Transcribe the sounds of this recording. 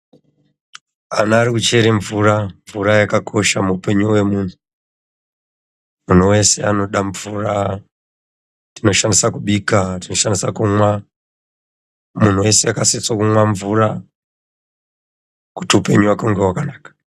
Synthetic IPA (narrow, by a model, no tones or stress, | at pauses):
anaːɾikut͡ʃe̞ɾeɱvuːɾaɱvuɾajakakʰo̞ʃamupe̞ɲuwe̞muːn̤u | mun̤uwe̞se̞ano̞ɗaɱvuːra | ndino̞ʃanisakuɓikatino̞ʃandisakumwa | mun̤uwe̞seakasit͡swakuŋwaɱvuːra | kutiupe̞ɲuwakuŋɡewakanaːkḁ